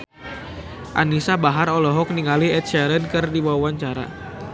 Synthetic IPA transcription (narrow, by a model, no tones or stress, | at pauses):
ʔa̰nisabaɦaɾɔlɔɦɔk̚niŋaliɛt̪̚ʃaɾənkɨrdiwawaɲt͡ʃaɾa̰